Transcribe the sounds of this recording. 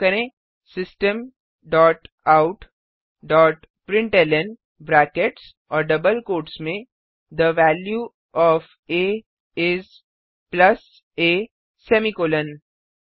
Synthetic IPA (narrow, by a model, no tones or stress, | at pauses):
kɐɾẽː | sɪsʈəm | ɖɔːʈ | aːʊʈ | ɖɔːʈ | pɾɪ̃ɳʈeːlɛn | bɾɛːkeʈs | ɔːɾɖɐbəlkoːʈsmẽ | d̪əʋæːlju | ɔːf | eː | ɪz | plɐs | eː | sɛːmikoːlə̃n